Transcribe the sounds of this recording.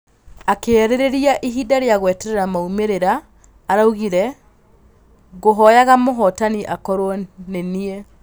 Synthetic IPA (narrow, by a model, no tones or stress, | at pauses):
akeɛɾeɾeɾiaʔiɦidaɾeaɣwɛtɛɾeɾamaumeɾeɾaː | ɾauɣiɾɛ | ɣoɦɔjaɣamoɦɔtaniʔakɔɾwɔneniɛ